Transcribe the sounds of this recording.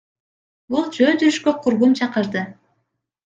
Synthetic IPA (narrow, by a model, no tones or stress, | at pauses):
bulˠd͡ʒønd̪yɾyʃkøqʰuɾʁumt͡ʃʰɑqəɾd̪ɯ